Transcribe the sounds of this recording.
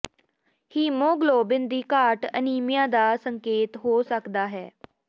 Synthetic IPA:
hiːmoːɡloːbɪnd̪iːkaːʈə̰niːmijãːd̪aːsəŋkeːt̪ɦoːsəkd̪aːɦɛː

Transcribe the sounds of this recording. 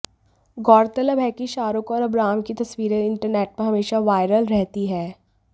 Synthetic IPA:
ɡɔːɾt̪ələbɦɛkiʃaːɾʊkɔːɾɐbɾaːmkit̪ɐswiːɾeɪ̃ɳʈəɾneːʈ̚pɐɾɦɐmeːʃaʋaːɪɾəlɾɛɦt̪iɦɛː

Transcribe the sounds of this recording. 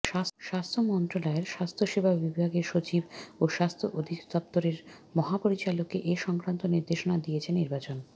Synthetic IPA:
ʃaʃast̪ʰomɔnt̪ɾolaeɾʃast̪ʰoʃebʱabibʱaɡeɾʃot͡ɕiboʃast̪ʰoʔod̪ʱikd̪ɔpt̪oɾeɾmɔɦapoɾit͡ɕalokːeʔeʃɔŋkɾant̪oniɾd̪eʃonad̪iet͡ɕʰeniɾbat͡ɕon

